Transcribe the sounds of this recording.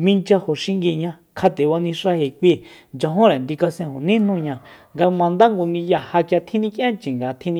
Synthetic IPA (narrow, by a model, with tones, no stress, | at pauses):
mĩ˧nt͡ʃa˧ho˨ʃi˦˧ŋɡi˧˨ɲã˧ | kʰa˧t̪e˨βa˧nĩ˧ʂa˦he˨kʷi˧ | nd͡ʒã˧ɦõ˦ɾa˨nd̪i˧ka˧sẽ˧ho˨nĩ˦n̥ũ˦˧ɲã˧ŋɡa˧mã˧nd̪a˦ŋɡo˧nĩ˧ja˧˨ha˧kja˧t̪ʰĩ˦nĩ˦kjʔã˦nt͡ʃĩ˨ŋɡa˧˨t̪ʰĩ˦nĩ˧